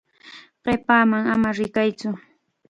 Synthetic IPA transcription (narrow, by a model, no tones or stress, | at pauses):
ɢ̥epaːmaŋamaɾɪkajt͡sʊ